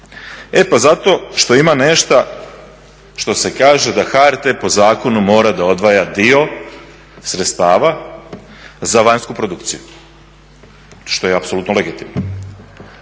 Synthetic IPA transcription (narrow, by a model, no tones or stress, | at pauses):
e̞pazat̪o̞ʃt̪o̞imane̞ʃt̪a | ʃt̪o̞se̞kaːʒe̞d̪axaɾt̪epo̞zaːko̞numo̞ːɾad̪ao̞d̪ʋajad̪io̞ | sɾet̪st̪aːʋa | zaʋaɲskupɾod̪ukt̪siju | ʃt̪ojeapso̞lut̪noleɡit̪imno